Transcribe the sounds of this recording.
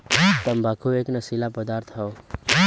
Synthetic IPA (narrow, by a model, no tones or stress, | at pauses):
t̪əmbaːkʰueːknəsilapəd̪aːɾt̪ʰɦao